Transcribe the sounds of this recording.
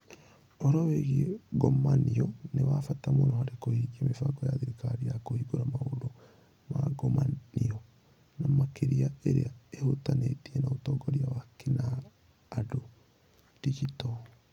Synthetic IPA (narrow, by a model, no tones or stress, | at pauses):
ɔɾɔweɣiɡɔmaniɔnewafatamoɾɔhaɾekohiːɡiemefaɡɔjaðiɾikaɾijakohiːɡoɾamaodo | ma̰ɡomaniɔ | namakeɾiaeɾḛaehotanetiɛnaotɔɡɔɾiawakinaː | do | tiɡitɔ